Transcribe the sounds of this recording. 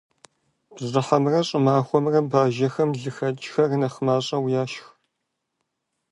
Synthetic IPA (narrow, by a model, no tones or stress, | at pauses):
b̥zɨħɐmrɐɕʼɪmaːxʷɔmrɐbaːʒɐxɐmɮɨxɐt͡ʃʼxɐrnɐχəmaːɕʼɐwjaːʃx